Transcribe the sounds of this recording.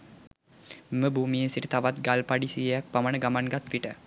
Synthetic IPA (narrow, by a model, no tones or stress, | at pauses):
mməbuːmijənsiʈət̪aʋat̪ɡalpaɖisijəjak̚pamanəɡamanɡat̪ʋiʈə